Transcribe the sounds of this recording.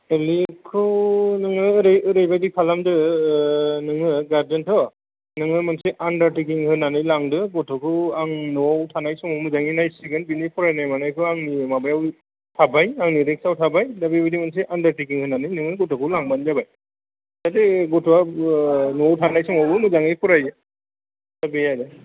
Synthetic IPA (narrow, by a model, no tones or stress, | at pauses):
elikʰɯnɯŋɯɾɾejbajdipʰalamdɯ | nɯŋɯɡaɾzɯntʰɔ | nɯŋɯmanseʔandaɾtik̬iŋhɯnanɯjlaŋdɯbɔtʰɔkʰɯwaŋnɔwtʰanajsɔmɔwmɯzaŋinajsiɡɯnbinipʰɔɾajnajmanɯjkʰɯaŋnimabajaw | tʰabajaŋniɾek̚sawtʰabajdabibadimansiʔandaɾtikiŋhɯnanɯjnɯŋɯɡɔtʰɔkʰɯwlaŋbanzabaj | tateɡɔtʰɔwa | nowtʰanajsɔmɔwbɯmuzaŋɯjpʰɔɾajɯ | dabejadɯ